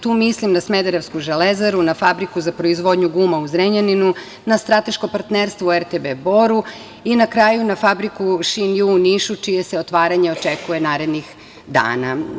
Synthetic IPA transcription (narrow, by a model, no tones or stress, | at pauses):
t̪uːmislimnasmed̪eɾeʋskuʒelezaɾunafabɾikuzapɾo̞izʋo̞d̪ɲuɡuːmauzɾeɲaninu | nast̪ɾat̪e̞ʃkopaɾt̪neɾst̪ʋoeɾt̪ebebo̞ɾu | inakɾaːjunafabɾikuʃinjuniʃut͡ʃije̞seot̪ʋaːɾaɲe̞ot͡ʃekuje̞naːɾe̞d̪nix | d̪a̰ːna̰